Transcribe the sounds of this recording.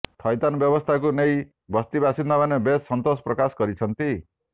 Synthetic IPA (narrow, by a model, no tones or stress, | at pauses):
t̪ʰʌjt̪anbjʌbɔst̪ʰakunej | bʌst̪ibasind̪ʌbanebesːʌnt̪ospɾʌkasɡʌɾit͡sʰʌnt̪i